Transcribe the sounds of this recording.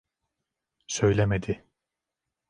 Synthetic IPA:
sø̞jlʲɛmed̪ɪ

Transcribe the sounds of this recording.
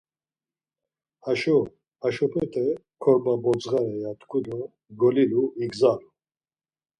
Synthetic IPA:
haʃɔ | haʃɔpʰɛt̪ʰɛkʰɔɾbabɔd͡zɣaɾɛjat̪kʰulɔ | ɡɔliluiɡzalu

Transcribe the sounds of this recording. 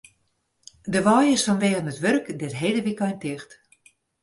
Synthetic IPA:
dəʋɔːjɪsfɔnʋeːɣənətʋørkdɛtɦeːdəʋikɔjntɪxt

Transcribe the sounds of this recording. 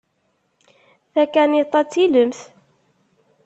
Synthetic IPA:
θækːænit̪ˤːɑt͡sːiləmθ

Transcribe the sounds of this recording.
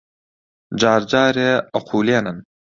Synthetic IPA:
d͡ʒaːɾd͡ʒaːɾeɐqʰuːleːnɐn

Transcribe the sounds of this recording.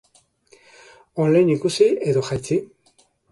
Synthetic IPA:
olajnikusie̞ðo̞xajt͡si

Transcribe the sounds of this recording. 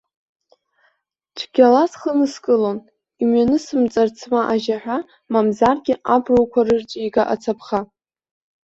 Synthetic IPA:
ʈ͡ʂʷʰɡʲalasχənɨskʼɨlon | imɥanɨsɨmt͡sʼart͡sʰmaʔaʒaħᶣʷa | mamzarɡʲɪʔabrowkʷʰarɨrt͡ʃʷʼjɡaʔa̰t͡sʰapʰχa

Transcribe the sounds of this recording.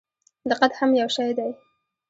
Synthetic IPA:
laqad̪hamjawʃajd̪aj

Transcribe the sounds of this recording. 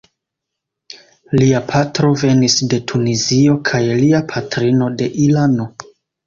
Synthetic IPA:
liapʰatɾo̞ve̞nisde̞tʰunizio̞kʰajliapʰatɾino̞de̞ʔilano̞

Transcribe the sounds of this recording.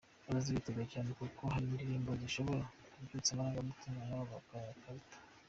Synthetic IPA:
aɾaziβiteɡaacaːnekuko̞haɾimiɾiɾiːmboɟiʃo̞βo̞ɾakubɟut͡samajomutimajauβakajakaβtḁ

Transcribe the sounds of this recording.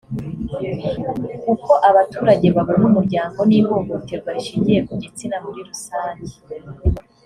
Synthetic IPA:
kuko̞ʔaβatuːɾaɟe̞βaβoɾanumuɾɟaːŋɡo̞niːβo̞ɡoteɾɡwaɾiʃiːɲɟije̞kuɟit͡sinamuɾiɾusaːɲɟe

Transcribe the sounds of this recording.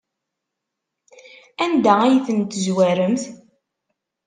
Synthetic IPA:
ænd̪ææjθənt̪ːzwæɾəmθ

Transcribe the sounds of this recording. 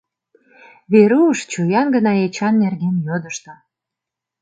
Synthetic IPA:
βeɾuəʃt͡ɕujɑnɡə̆nɑet͡ɕɑnːerɡenjod̪əʃt̪ə

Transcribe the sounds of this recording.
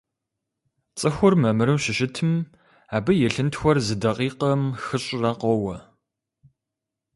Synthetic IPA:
t͡sʼɨxʷʊrmɐmɨɾɨmʃɪʃɪtʰɨm | aːbɨjɛɬɨntxʷɔrzɨdɐqiːqɐmxɨɕʼrɐqɔwɐ

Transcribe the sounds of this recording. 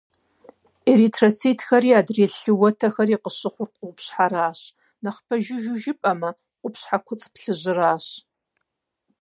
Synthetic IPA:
eɾitʰrot͡sʰeːtʰxɐɾiːaːdreːɬɨwɐtʰɐxɐriːqəɕɨχʷʊrqʷʼʊʊpɕħaɾaːɕ | nɐχpʰɐʒɪʒuʒɪpʼɐmɐ | qʷʊpɕħakʷʰʊt͡sʼpɬɨʑɪraːɕ

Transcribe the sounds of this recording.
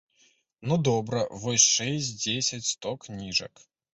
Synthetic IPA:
nud̪ɔbɾɐvɔsʲʂɛsʲd͡zʲesʲɐt͡sʲst̪ɔknʲiʐɐ̰k

